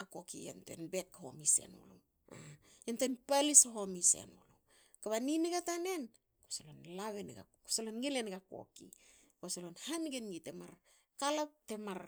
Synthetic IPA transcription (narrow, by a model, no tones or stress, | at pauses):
ako̞kijḛntoḛnbet̚kaho̰mise̞̰no̰lo | a | jentoanpalisoɦo̞misḛnolo | kaβaniniɡatane̞n | kosolonlaβenɡa̰kosalonŋilenɡako̰kḭ | kosolonhanɡenɡite̞maɾ | kalap̚te̞maɾ